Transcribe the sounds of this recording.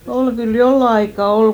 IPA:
ol kyl jolːɑ ɑikːɑ ol

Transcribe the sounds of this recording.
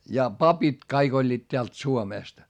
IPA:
jɑ pɑpit kɑik olʲːiːt teælt suomeˑst

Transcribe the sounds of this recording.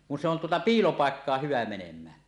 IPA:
kun se on tuotɑ piːlopɑˑekːɑːh hyʋæ menemˑæːn

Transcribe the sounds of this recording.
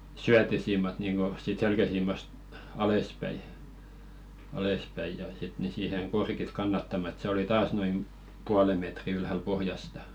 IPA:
syætːisiːmɑt niːŋɡ̊o siːt selkæsiːmɑst ɑlespæi ɑlespæi jɑ sit ni siːheŋ korkit kɑnːɑtːɑmɑ ĕt se oli tɑːs noim puɑle metri ylhæl pohjɑstɑ

